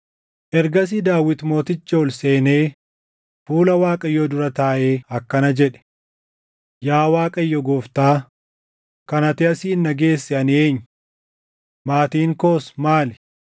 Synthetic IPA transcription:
ʔɛɾɡɐs̬ɪd̪aːwːɪt̪mo̞ːt̪ɪt͡ʃːoːlse̞ːne̞ː | fuːlɐwaːkʼɐjːɔd̪ʊɾɐt̪aːʔeːɐkːɐnɐd͡ʒɛᶑɛ̥ | jaːwaːkʼɐɪjːɔɡoːft̪aː | kɐnɐt̪ɪɐsiːnːɐɡe̞ːsːɛɐnɪe̞ːɲːʊ | maːt̪iːŋkoːsmaːlɪ

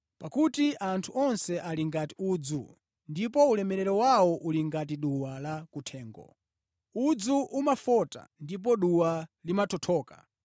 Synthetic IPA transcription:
pakutiʔantʰuʔɔnsɛʔaliŋɡati̥ud͡zṵ | ndipɔulɛmɛɾɛɾɔwawɔʔuliŋɡat̬iɗuwalakutʰɛːŋɡɔ̰ | ud͡zuʔumafɔta̰ndip̬ɔɗuwalimatʰɔtʰɔːka̰

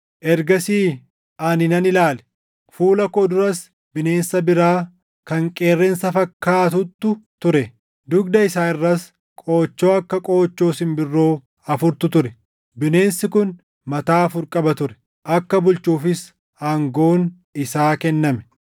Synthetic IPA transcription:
ʔɛɾɡɐsiː | ʔɐnɪnɐnɪlaːlɛ̥ | fuːlɐkoːd̪ʊɾɐs | bɪne̞ːnsɐbɪɾaː | kɐŋkʼe̞ːrːɛnsɐfɐkːaːt̪̬ʊt̪ːʊt̪ʊɾɛ | d̪ʊɡd̪ɐɪsaːɪrːɐs | kʼo̞ːt͡ʃːo̞ːɐkːɐkʼo̞ːt͡ʃːo̞ːsɪnbɪrːo̞ː | ɐfʊɾt̪ʊt̪ʊɾɛ | bɪne̞ːnsɪkʊn | mɐt̪aːɐfʊɾkʼɐbɐt̪ʊɾɛ̥ | ʔɐkːɐbʊlt͡ʃːuːfɪs | aːŋɡo̞ːn | ɪsaːkɛnːɐmɛ̥

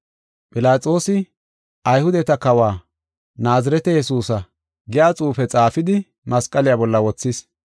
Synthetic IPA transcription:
pʼɪlaːt͡sʼo̞ːsɪ | ʔɐjhʊd̪ɛt̪ɐkɐwaː | naːzɐɾɛt̪ɛjɛsuːsɐ | ɡɪjaːt͡sʼuːfɛt͡sʼaːfɪd̪ɪ | mɐskʼːɐlɪjabɔlːɐwɔt͡sːɪs

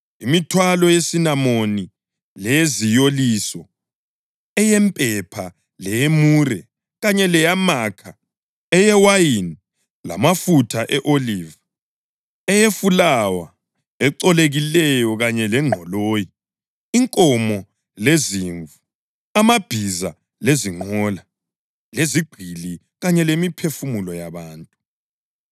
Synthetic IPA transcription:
imitʰwalɔjesinamoni | lɛezijolisɔ | ɛjɛmpʼɛpʰa | lɛjemuːrɛ | ɣaɲɛlɛjamakʰa | ɛjɛwajini | la̰mafutʰaʔɛʔoliːva | ɛjefulawa | ɛǀɔleɣilɛjɔɣaɲɛlɛŋ͡ǃʱɔloːji | iŋkʼɔmɔ | leziɱvu | amab̥ʱiza | leziŋ͡ǃɔla | leziɡ͡ǃ̥ʱili | ɣaɲɛlemipʰefumulɔjaβaːntʼu

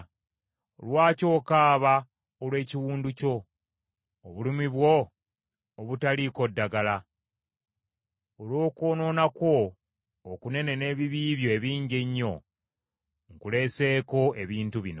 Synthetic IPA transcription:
o̰lwaːco̞ːkaːβa | olwe̞ːciwuːnduco̞ː | βulimiβwo̞ː | βutaliko̞dːaɡala | olo̞ːkoːno̞ːnakwo̞ː | kune̞ne̞ne̞βiβiːβjo̞eβiːɲɟeɲːo̞ | ŋkule̞se̞ːko̞e̞βiːntuβino

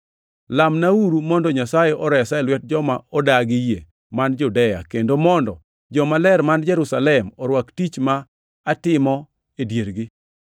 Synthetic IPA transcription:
lamnauɾumɔndɔɲasajeʔɔɾɛsalwɛt̚d͡ʒɔmaɔdaɡɪje | mand͡ʒudɛja̰kendomɔndɔ | d͡ʒɔmalɛɾmand͡ʒɛɾusalɛmɔɾwaktit͡ʃmaː | tɪmɔ | edjeɾɡɪ

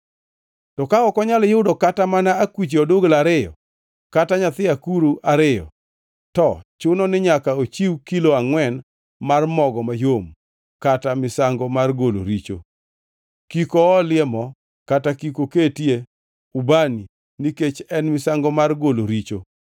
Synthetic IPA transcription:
tɔkaɔkɔɲaljɪʊdokatamanaːkwit͡ʃeɔdoɡlaɾɪjɔ̰ | kataɲat̪ɪakuɾuaɾɪjɔ̰ | tɔt͡ʃʊnɔnɪɲakaot͡ʃiwkiloaŋwɛn | marmɔɡɔmajom | katamɪsaŋɡɔmarɡolo̰ɾit͡ʃo̰ | kikoːlɪɛmɔ | katakikoketje | ubani | niket͡ʃɛnmɪsaŋɡɔmarɡoloɾit͡ʃo

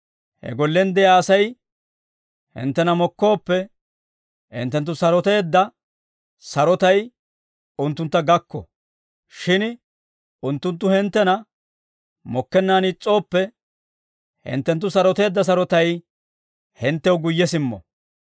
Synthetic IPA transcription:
hɛ̰ɡɔlːɛnd̪ɛjaːsɐj | hɪ̰nt̪ːɛnɐmɔkːo̞ːpːɛ | hɪ̰nt̪ːɛnt̪ːʊsɐɾɔt̪e̞ːd̪ːɐ | sɐɾɔt̪ɐj | ʊnt̪ːʊnt̪ːɐɡɐkːɔ̰ | ʃɪn | ʊnt̪ːʊnt̪̬ːʊhɛnt̪ːɛnɐ | mɔkːɛnːaːnɪt͡sʼːo̞ːpːɛ | hɪ̰nt̪ːɛnt̪̬ːʊsɐɾɔt̪e̞ːd̪ːɐs̬ɐɾɔt̪ɐj | hɪnt̪ːɛwɡʊjːɛsɪmːɔ̰

